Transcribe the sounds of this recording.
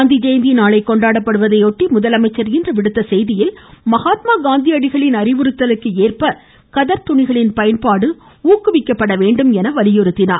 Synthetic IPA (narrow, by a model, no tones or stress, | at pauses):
nd̪id͡ʒɐjɐnd̪inaːɭɐɪkːɔɳɖaːɽɐpːɐɽɯʋɐðɐɪoːʈːimʊðɐlɐmɐɪt͡ʃːɐɾɣɪndrɐʋɪɽɯt̪ːɐsɛjðɪjɪlmɐɣaːt̪maːɡaːnd̪iɐɽɪɣɐɭɪnɐɾɪʋɯɾɯt̪ːɐlɯkːɯeːrpɐ | kɐðɐɾt̪ʊɳɪɣɐɭɪnpɐjɐnpaːɽɯ | uːkːɯʋɪkːɐpːɐɽɐʋeːɳɖɯmɛnɐʋɐlɪjɔɾɯt̪ːɪna̰ːɾ